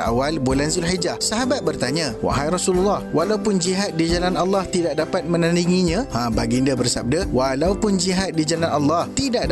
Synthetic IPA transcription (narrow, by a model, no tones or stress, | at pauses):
a̰walbolanzilɦid͡ʒahsaɦabat̪̚bərt̪aɲãwa̰ʔɦajrɔsululːahwalawpʊnd͡ʒiɦat̪̚did͡ʒalanalːɑht̪idaʔ̚dapat̪̚mə̃nãniŋiɲããbaɡindabərsab̚dawalawpʊnd͡ʒiɦat̪̚did͡ʒalanʔalːɑht̪idaʔ